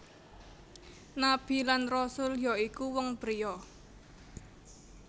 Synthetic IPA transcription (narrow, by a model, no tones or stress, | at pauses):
nab̥i̤lanrɔsʊljɔikuwɔŋpəɾijɔ